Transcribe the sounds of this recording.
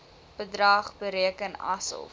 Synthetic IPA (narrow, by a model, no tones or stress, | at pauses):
b̥ədrɐːχbəɾiəkənɐ̰sə̰lˠ